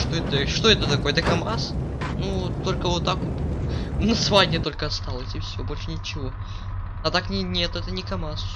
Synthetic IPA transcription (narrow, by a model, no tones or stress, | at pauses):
ʂt̪oɛt̪əʂt̪o̞ɛt̪ət̪ɐko̞jɛt̪əkɐmasnut̪ːo̞lʲkəvot̪ːak | nɐsvadʲnʲɪt̪o̞lʲkəɐst̪alˠəsʲɪfsʲobo̞lʲʂɨnʲɪt͡ɕɪvo̞ | ɐt̪aknʲɪnʲet̪ʊɛt̪ənʲɪkɐmas